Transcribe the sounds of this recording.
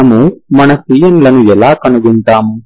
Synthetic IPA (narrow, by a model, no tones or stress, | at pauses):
mumɐnɐsijɐnlɐnuɛlaːkɐnuɡinʈ̪aːmu